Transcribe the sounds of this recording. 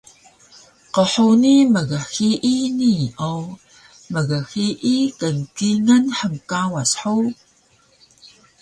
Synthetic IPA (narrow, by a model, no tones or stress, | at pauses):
qəħuniməɣəxiʔiniow | məɣəxiʔikənkinənħəŋkawasħu